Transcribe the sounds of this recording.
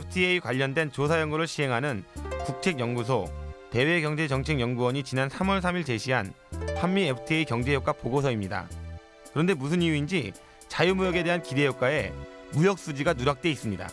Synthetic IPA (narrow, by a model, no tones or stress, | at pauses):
epʰɯ̥tʰiejkwaʎːʌndwe̞nt͡ɕosʰajʌŋɡuɾɯɭɕʰiɦe̞ŋɦanɯnkuk̚t͡ɕʰe̞ɡjʌŋɡus̬ʰote̞we̞kjʌŋd͡ʑe̞t͡ɕʌŋt͡ɕʰeŋjʌŋɡuwʌɲit͡ɕinansʰamʌɭsʰamiɭt͡ɕe̞ɕʰiɦan | hamːiepʰɯ̥tʰieikjʌŋd͡ʑe̞jok͈apoɡosʰʌimɲida̰ | kɯɾʌnde̞mus̬ʰɯnijuind͡ʑi | t͡ɕajumujʌɡe̞de̞ɦankide̞jok͈̚ae̞mujʌk̚s͈ud͡ʑiɡanuɾak̚t͈e̞is͈ɯmɲida̰